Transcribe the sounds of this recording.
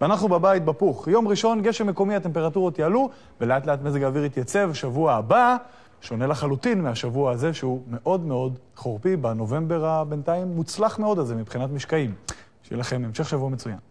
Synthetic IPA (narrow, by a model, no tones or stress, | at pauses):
veanaχnubebajit̪̚bapuχjo̞mʁiʃo̞nɡe̞ʃemːeko̞mihat̪empeʁatuʁot̪jaalu | veleat̪leat̪mezeɡaːviʁit̪jat͡se̞vʃavuaːba | ʃo̞ne̞laχalut̪inmeaʃavuaaze̞ʃeume̞ʔo̞d̪meo̞d̪ | χoʁpibano̞ve̞mbe̞ʁabe̞nt̪aimːut͡slaχmeo̞d̪alze̞mibχinat̪miʃkaim | ʃeḛlaχe̞memʃe̞χʃavuamet͡suja̰n